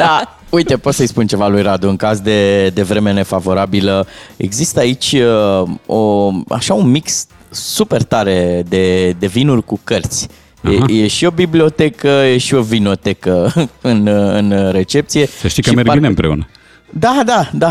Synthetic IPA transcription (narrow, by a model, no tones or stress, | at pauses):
d̪a | uit̪e̞po̞t̪səjspunt͡ʃe̞valujɾad̪uɨŋkazd̪e̞d̪e̞vɾe̞me̞ne̞favo̞ɾabiləe̞̰ɡzist̪əait͡ʃʲ | oa̰ʃaunmiks | supe̞rt̪aɾe̞d̪e̞d̪e̞vinurʲkukərt̪sʲ | ejeʃio̞biblio̞t̪e̞kəje̞ʃio̞vino̞t̪e̞kəɨnɨnɾe̞t͡ʃe̞p̚t̪sije̞səʃt̪ikəmeɾineɨmpɾeṵnə | d̪ad̪ad̪a